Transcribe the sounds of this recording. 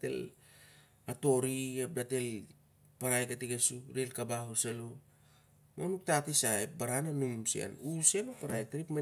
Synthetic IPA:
tḛl | ato̞ɾiep̚date̞l | paɾajkatiɡesuɾelkabahoselo | monuk̚tatisaepbaɾananumsia̰nusianopaɾaj̚tɾipme

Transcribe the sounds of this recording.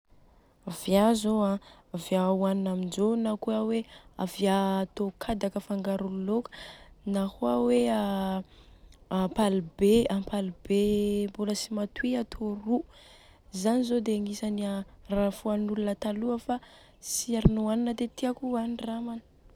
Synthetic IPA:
avjazoãavjauaninamind͡ʒonakuawea̰viaːt̪okʰad̪akəfaŋɡaɾululokə̥nahuawea | apalibeapalibemboləsimat̪wiat̪ʰoru | zanizod̪eaŋisaniarafuanulunət̪aluəfa | siaɾinoaninəd̪et̪iakuaniramanə̥

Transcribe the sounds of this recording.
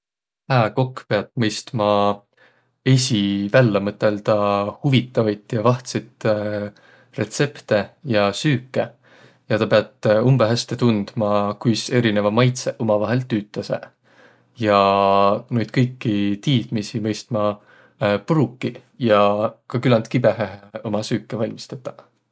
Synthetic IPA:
hæːko̞kːpe̞ɑt̪mɤjst̪mɑ | e̞sʲivælːemɤt̪ːˑe̞lt̪ɑhuvit̪ːˑɑvɑjt̪jɑvɑht̪set̪ | re̞t̪se̞pt̪e̞jɑsyːkˑːe̞ | jɑt̪ɑpe̞ɑt̪umb̥eɦæst̪et̪und̪̥mɑkujse̞ɾine̞vɑmɑjt̪seʔomɑvɑɦe̞lt̪yːt̪ˑːɑsḛ | jɑ | nojd̪̥̚kɤjkːit̪iːd̪̥misimɤjst̪mɑ | puɾukːˑiljɑkɑkylɑnt̪kibe̞ɦeɦeomɑsyːkːˑevɑlʲmist̪ɑt̪ːˑɑ̥

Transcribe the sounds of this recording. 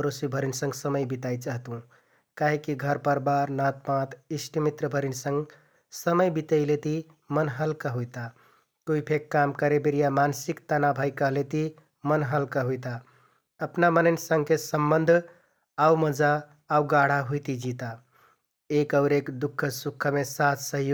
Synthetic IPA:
ɾosibʱəɾinsə̃ŋɡsəməjbit̪ajt͡ʃaɦt̪ũ | kaɦekiɡʱəɾpəɾbaɾnat̪̚pãt̪ʰisʈimit̪ɾəbʱəɾinsə̃ŋɡ | səməjbit̪əjlet̪i | mənɦəlkəɦujt̪a | kuipʰekːamkəɾebeɾijamansikt̪anabʱaɪkəɦlet̪i | mənɦəlkəɦujt̪a | əpnamənəɪnsəŋɡkesəmbənd̪ʱ | aməd͡ʒaː | uɡaɽ̤aɦujt̪id͡ʒit̪a | ekəʊɾekd̪ukʰːəsukʰːəmesat̪ʰsəɦjo

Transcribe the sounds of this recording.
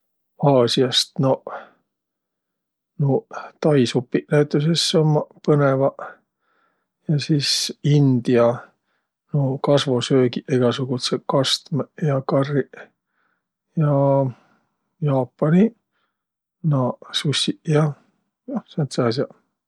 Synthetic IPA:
ɑːsiɑst̪no | not̪ɑjsupːiʔnæyt̪ːˑus̬esːomːɑpɤnevɑ | jɑsiːsind̪̥iɑ | nokɑsvo̞søːɡiʔeɡ̥ɑsuɡ̥ut̪sekɑst̪mejɑkɑrːi | jɑ | jɑːpːˑɑni | nɑsusːijɑ | jɑsent̪sɑːsiɑ

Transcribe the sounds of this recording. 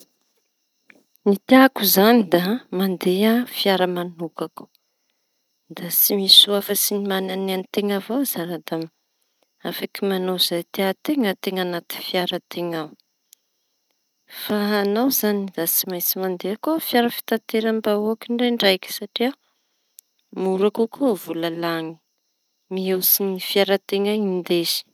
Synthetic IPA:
nit̪eakuzanid̪amand̪eafiaɾəmanukaku̥ | d̪at͡simisuafəsinimanananit̪eŋavozaɾad̪am | afakimanoz̥ajt̪eat̪eŋət̪eŋanat̪i̥fiaɾət̪ʰeŋaw | faːnawzanid̪at͡simajsimand̪eakofjaɾəfi̥t̪ant̪eɾambaoakiɳɖ͡ʐeɳɖ͡ʐajki̥saʈ͡ʂia | muɾakokovulalaŋi̥ | miewsinifiaɾət̪eŋaind̪ezi̥

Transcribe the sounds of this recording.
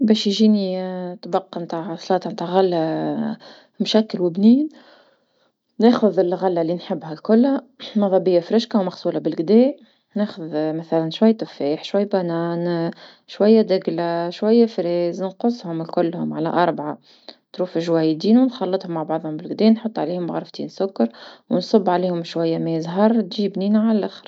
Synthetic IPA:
bɛːʃjʒiːnit̪bɑqːɑmt̪aʕɑsˤlɑːt̪ɑmt̪aʕɣalːæ | mʃækːəlwɪbniːn | nɛːxʊðɪlɣalːalinħɪbːɦælkʊlːhæmɑðˤɑbɪjːafɾɪʃkawmɑxsuːlabɪlɡd̪ɛː | nɛːxʊðmæθælænʃwæjːt̪ʊfeːħʃwæjːbænɑːn | ʃwajːæd̪ɪɡlaʃwæjːæfɾɛːznqʊsˤːhʊmɪlkʊlːhʊmʕalæʔɑɾˤbʕa | t̪ɾuːfɪʒwæːjd̪iːnuwnxɑlːɨt̪ˤhʊmːaʕbɑʕðˤhʊmbɪlɡd̪ɛːnħʊt̪ˤːʕa̰liːhʊmɣɑɾˤft̪iːnsʊkːɑɾˤwnsˤʊbːʕaliːhʊmʃwæjːamæzɦɑɾˤt̪ʒiːbniːnʕalælʔaxɾ

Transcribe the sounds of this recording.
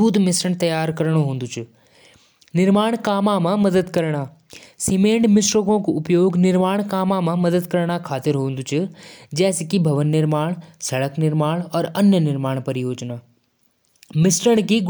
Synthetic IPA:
uːd̪mɪsɾəɽ̃t̪ɐjaːɾkɐɾəɽ̃oɦũːn̆d̪ʊt͡ʃʰʊ | nɪɾmaːɽ̃kaːmãmãmɐd̪əd̪kɐɾɽ̃aː | simẽːɳʈmɪsɾokõkʊpjoːɡnɪɾmãːkaːmãmãmɐd̪əd̪kɐɾɽ̃akʰaːt̪ɪɾɦoːn̆d̪ʊt͡ʃʰʊd͡ʑɛːskibʱɐʋənːɪɾmaːɽ̃sɐɭəknɪɾmaːɽ̃ɔːɾɐnjənɪɾmaːɽ̃pɐɾɪjoːd͡ʒnaː | mɪsɾəɽ̃kiɡ

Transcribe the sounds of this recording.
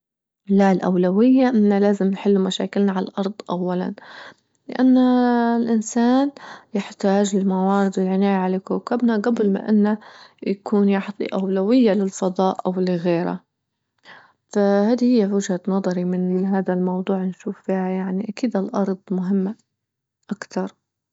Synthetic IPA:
lalʔa̰wlawɪjːaʔɪnːalaːzɪmnħɪlːumaʃa̰ːkɪlnaʕala̰lʔɑɾˤd̪ˤʔawːala̰n | lɪʔanːalʔɪnsaːnjɪħt̪aːʒlɪlmawɑːɾɪd̪ɪlʕɪnaːjaʕalakuːkabnaɡablma̰ʔɪnːajakuːnjɑħt̪ˤḭʔawlawɪjːalɪlfɑðˤɑːʔʔawlɪɣeːɾa̰ | fahaːd̪ihɪjːawʊd͡ʒhanɑðˤɑɾimɪnɦaːd̪almɑwd̪ˤuːʕnʃuːffiːhajaʕniʔakiːd̪alʔɑɾˤd̪ˤmʊɦɪmːa | ʔakt̪ɑɾˤ

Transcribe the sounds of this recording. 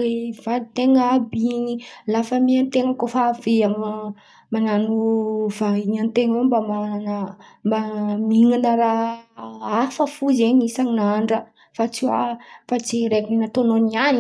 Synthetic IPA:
evalit̪eŋəːbinilafəmiant̪eŋəkofaveam | mananuvaiɲant̪eŋembamanmamiŋanaɾa | afəfuzeɲisaŋinaɳɖ͡ʐə | fat͡siafat͡siɾekininat̪ononian

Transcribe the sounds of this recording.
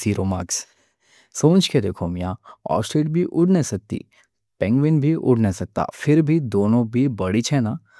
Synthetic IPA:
siːɾoma̰ːks | sõːnt͡ʃked̪eːkʰomɪjãɔ̰ːsʈɾeːɖbʱiʔʊɽnesɐk̚t̪ḭ | pɛ̃ŋɡʋɪnbʱiʔʊ̰ɽnesɐk̚t̪a̰fʰɪɾbʱid̪oːnõbʱibɐɽit͡ʃʰɛna

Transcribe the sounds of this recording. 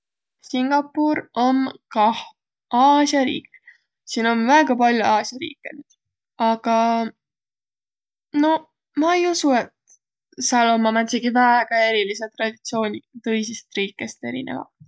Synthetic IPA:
siŋɡ̥ɑpːˑuɾomkɑh | ɑːsjɑɾḭːk | siːno̞nvæeɡ̥ɑpɑlʲjuɑːsjɑɾḭːkːˑenyd̪̥ | ɑɡ̥ɑ | no̞ | mɑejusue̞t̪ | sɑlo̞mɑmæt̪ʲsiɡivæeɡ̥ɑe̞ɾiliset̪rɑd̪̥ʲit̪sio̞ːnʲit̪ɤ̞jsist̪riːkːˑe̞st̪e̞̰ɾḭnḛvɑ̰t̪

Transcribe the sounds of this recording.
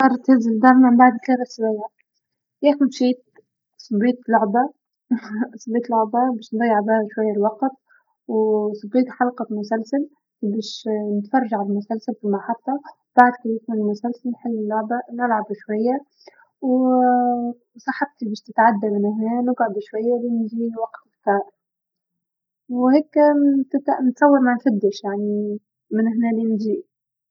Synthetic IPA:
ɑɾˤt̪ɪzɪld̪ɑɾˤmambaʕd̪kɑɾˤɑswajʕa | jaːxʊlʃiːt̪̚ | sˤɨbːiːt̪lʊʕba | sˤɨbiːt̪lʊʕbabiːʃnd̪ˤɑjːɪʕbahaʃwajːalwɑqt̪̚ | wsˤɨbːiːt̪ħɑlqɑmʊsalsal | beːʃnɪt̪fɑrˤːɑʒaʕabɪmʊsalsalfimaħɑt̪t̪ːˤɑ | b̥aʕd̪kanɪkmɪnɪlmʊsalsalħɪlːɪlːʊʕbanʔalʕabʃwajːa | w | sˤɑħɑb̚t̪ibeːʃt̪ɪt̪ʕad̪ːamɪnhnæːnʊɡʕʊb̪ʃwajːalinʒiːwɑqt̪ɪkt̪ɑːɾˤ | wheːkt̪t̪nt̪sˤɑwːɑɾmanfad̪ːɪʃjaʕni | mɪnɪhnæːlinʒiː

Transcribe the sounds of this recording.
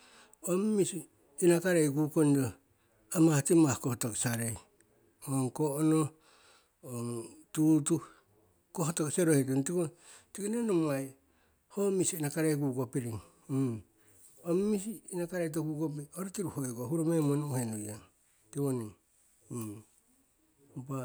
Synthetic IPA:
omːisiː | nakaɾejɡukonɾo | amatimahkohtoksaɾej | oŋkoono | oŋtutu | kohotokseɾohet̬ontiko | tikinenomaj | homisiinakaɾejɡuɡopiɾiŋ | omːisiːnakaɾejt̬okukop̬ioɾotiɾuhoeɡohuɾomemonohenujaŋ | tiβoniŋ | pa

